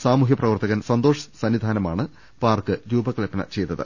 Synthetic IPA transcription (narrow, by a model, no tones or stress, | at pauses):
saːmuːɦjɐprɐʋɐrt̪ɐɣɐnsɐnd̪oːʂɐ̥sɐnːid̪ʱaːnɐma̰ːɳɨ | paːrkɨɾuːbɐkɐlɐpːɐnɐ̰t͡ɕe̞jt̪ːɐðɨ̰